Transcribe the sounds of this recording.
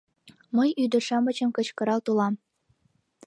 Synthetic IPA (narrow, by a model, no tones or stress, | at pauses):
məjyd̪ə̆ʃɑmət͡ɕə̆mkət͡ɕkɤ̆ɾɑlt̪ulɑm